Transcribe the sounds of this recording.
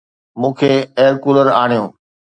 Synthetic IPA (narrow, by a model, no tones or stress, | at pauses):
mũːkʰeeːəɾkuːləɾaːɽ̤̃ijõː